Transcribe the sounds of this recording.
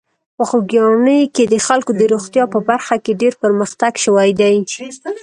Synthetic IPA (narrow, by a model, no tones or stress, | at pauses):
pəxoɡijɑnəjked̪əxalkod̪əɾoxt̪jɑpəbaɾxakeɖeɾpəɾməxt̪aɡʃəwajd̪aj